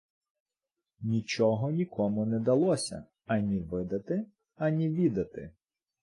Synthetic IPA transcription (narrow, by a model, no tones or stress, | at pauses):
nʲit͡ʃɔɦɔnʲikʰɔmʊnɛd̪ɐlˠɔsʲɐ̰ | ɐnʲiʋɪd̪ɐt̪ɪ | ɐnʲiʋʲid̪ɐt̪ɪ̰